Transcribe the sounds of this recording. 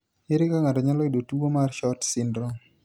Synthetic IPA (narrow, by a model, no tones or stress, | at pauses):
ɪɾɪkaŋatɔɲalɔidotubomarʃɔtsɪndɾɔ